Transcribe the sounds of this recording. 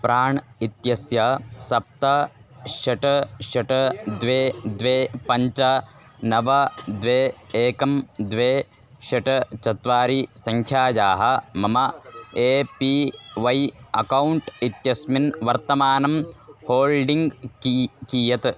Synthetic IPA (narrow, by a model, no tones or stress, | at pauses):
pɾaːɳit̪jɐsjɐsɐp̚t̪ɐʃɐʈɐʃɐʈɐd̪ʋeːd̪ʋeːpɐɲt͡ʃɐ | nɐʋɐd̪ʋeːeːkɐmd̪ʋeː | ʃɐʈɐt͡ʃɐt̪ʋaːɾisɐŋkʰjaːjaːɦɐ̆mɐmɐeːpiʋɐjɐkɐwuɳʈit̪jɐsminʋɐɾt̪ɐmaːnɐmhoːlɖiŋɡkkiːjɐt̪